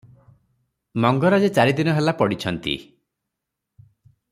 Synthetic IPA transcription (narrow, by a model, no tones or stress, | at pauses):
mɔŋɡɔɾad͡ʒet͡ʃaɾid̪inɔɦelapɔɽit͡ʃʰɔnt̪ḭ